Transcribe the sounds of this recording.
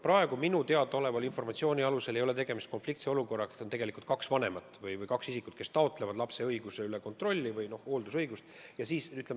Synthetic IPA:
pɾɑe̞ɡ̥uminut̪e̞ɑd̪ɑo̞le̞vɑlinfo̞rmɑt̪sio̞ːnʲiɑluse̞lejo̞le̞t̪e̞ɡ̥e̞mist̪̚ko̞nflikt̪seo̞luko̞rːɑkont̪e̞ɡ̥e̞likult̪̚kɑksvɑne̞mɑt̪ˑːvɯjvɯjkɑksisikˑut̪̚ke̞st̪ɑot̪ːˑle̞vɑd̪lɑpse̞ɤjɡ̥useyleko̞nt̪ro̞lʲːivɯjno̞ho̞ːld̪usɤjɡ̥ust̪jɑsiːsyt̪ːˑlem

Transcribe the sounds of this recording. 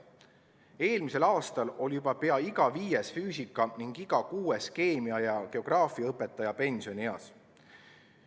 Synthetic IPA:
e̞ːlmise̞lɑːst̪ɑlo̞lʲijub̥ɑpe̞ɑiɡ̥ɑviːjesfyːsikːˑɑniŋɡ̥iɡ̥ɑkuːeske̞ːmiɑjɑke̞o̞ɡ̥rɑːfiɑɤpːˑe̞t̪ːˑɑjɑpe̞nsio̞nieɑ̰s

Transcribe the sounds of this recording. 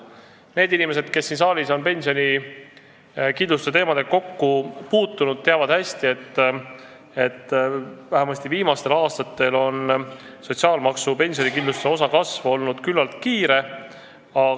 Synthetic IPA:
ne̞ːd̪̥inime̞se̞d̪̥ke̞sːinsɑːlʲiso̞npe̞nʲsio̞nʲi | kind̪lust̪set̪e̞ːmɑd̪eko̞kːupuːt̪ːˑunud̪̥̚t̪eɑvɑd̪̥hæsʲt̪ie̞t̪ː | et̪ːvæhemɑsʲt̪iviːmɑst̪e̞lɑːst̪ɑt̪ːˑe̞lo̞n | so̞t̪ʲsiɑːlmɑksupe̞nʲsʲio̞nʲikind̪lust̪seo̞sɑkɑsvo̞lnud̪̥kylːɑlt̪̚kiːɾe̞ | ɑ

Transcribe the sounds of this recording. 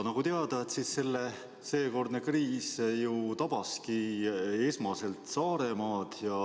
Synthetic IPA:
nɑɡ̥ut̪eɑd̪̥ɑet̪sisːe̞lːe̞ | se̞ːko̞rd̪nekriːsjut̪ɑb̥ɑskiesmɑse̞lt̪sɑːɾe̞mɑːd̪̥jɑ

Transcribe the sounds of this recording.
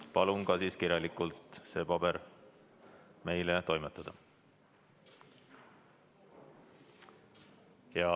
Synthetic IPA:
pɑlunkɑsiːskiɾjɑlikˑult̪ˑse̞ːpɑb̥eɾ | me̞jlet̪o̞jmet̪ːˑɑd̪̥ɑ | jɑ

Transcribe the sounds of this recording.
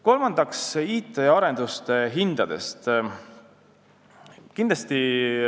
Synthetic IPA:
ko̞lmɑnd̪̥ɑksiːt̪ːˑeɑɾe̞nd̪̥ust̪eɦind̪̥ɑd̪̥e̞̰st̪ | kind̪lɑst̪i

